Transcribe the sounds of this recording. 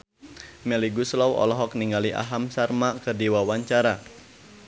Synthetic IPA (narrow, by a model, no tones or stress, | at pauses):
mɛliɡuslɔwɔ̰lɔɦɔk̚niŋɡaliʔa̰ɦamsarmakərdiwawaɲt͡ʃaɾa